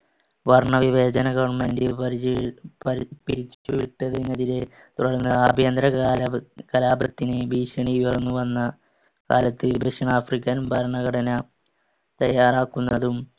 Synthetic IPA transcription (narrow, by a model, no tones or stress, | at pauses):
ʋɐrɳɐʋiʋe̞ːd͡ʑɐnɐɡɐʋɐɳmendiɾ | piɾit͡ɕːuʋiʈːɐðinːɐðiɾe | t̪uɽɐɭnːɨaːbʱjɐnd̪ɾɐlkɐlaːbrɐt̪ːinɨbiːɕɐɳiiʋɐrnːuʋɐnːɐ | kaːlɐt̪ːɨbeʂɐɳaːfrikʲːɐnʋɐrɳɐɣɐɽɐnɐ | t̪ɐjːaːraːkːunːɐðum